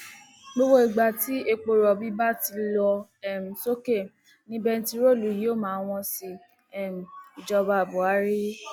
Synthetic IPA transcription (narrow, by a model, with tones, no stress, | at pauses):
ɡ͡bo˦wo˦i˨ɡ͡ba˨ti˨˦e˧k͡po˧ɾɔ˨bi˦ba˦ti˧lɔ˧ɛ˦˨m̩˨so˦ke˦˨ | nĩ˦bɛ˦˧n̩˦ti˦ɾo˦˨lu˨jo˦˨mãː˨˦w̃ɔ̃˧si˧ | ɛ˦˨m̩˨i˨d͡ʒɔ˧ba˧˨bu˨a˨˦ɾi˦